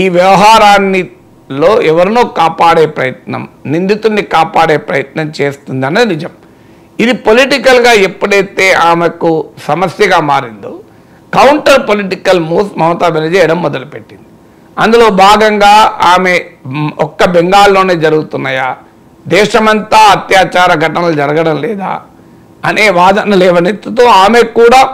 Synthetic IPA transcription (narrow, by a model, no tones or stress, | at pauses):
iːʋjɐʋɐɦaːɾaːnːi | lo̞ːʔɛʋɐɾinoːkaːpaːɽe̞ːpɾɐjɐt̪̚nɐ̰mnind̪it̪unːikaːpaːɽe̞ːpɾɐjɐt̪nɐmt͡ʃe̞ːst̪und̪ɐnɐinid͡ʒɐm | id̪ipoliʈikɐlɡaːepːuɽɐjt̪eːʔaːmekusɐmɐsjɐɡaːmaːɾind̪o | kɐwɳʈɐɾpoliʈikɐlmuːt̪mɐwɐt̪aːbʱenɐd͡ʒɛːjɐɽɐmːɔd̪ɐlupe̞ʈːind̪i | ɐnd̪ulo̞ːbʱaːɡɐŋɡaːaːme̞ɔkːɐbɛŋɡaːlːo̞ːne̞ːd͡ʒɐɾuɡut̪unːaːjaː | d̪ɛːʂɐmɐnt̪aːɐt̪jaːt͡ʃaːɾɐɡʱɐʈɐnɐlud͡ʒɐɾɐɡɐɽɐmlɛːd̪a̰ː | ɐneːʋaːd̪ɐnɐlɛːʋɐnet̪ːut̪oːaːmekuːɽaː